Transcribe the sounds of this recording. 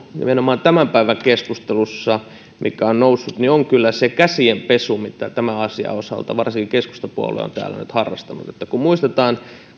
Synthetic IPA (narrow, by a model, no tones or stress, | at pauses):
nḭmenomɑːnt̪æmæmpæiʋæŋkeskust̪elusːɑ | mʔḭkæonnousːut̪nioŋkylːæsekæsiempesumit̪æt̪æmæɑsiɑ̰osɑ̰lt̪ɑ̰ʋɑrsiŋkikeskust̪ɑpuo̰lḛo̰nt̪æ̰ːlːæ̰nyt̪hɑrːɑst̪ɑnṵt̪et̪ːækumuist̪et̪ɑːn